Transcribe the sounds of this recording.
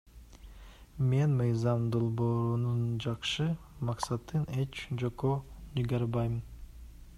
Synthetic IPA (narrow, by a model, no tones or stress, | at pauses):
me̞nmɯjzɑmd̪o̞lˠboːɾunund͡ʒɑqʃɯ | mɑqsɑt̪ːɯnet͡ʃd͡ʒokoniɡɑɾbɑjɯm